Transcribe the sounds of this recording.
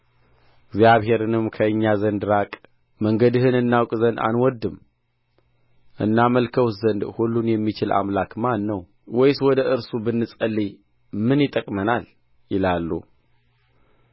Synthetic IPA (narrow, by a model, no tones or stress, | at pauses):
ɪɡzjaβhe̞ɾɨnɨmkʰəɨɲːazənd̪ɾakʼ | məŋɡəd̪ɨhɨnɨnːawkʼzənd̪a̰nwɔd̪ɨm | ʔɨ̰nːaməlkʰəwzənd̪hulːunjɛmːit͡ʃɪla̰mlakmanːəw | wɔjswɔd̪əʔɨɾsubɨnːɨsʼəlːi | mɨnjɪt̪ʼəkʼmənal | jɪlalːṵ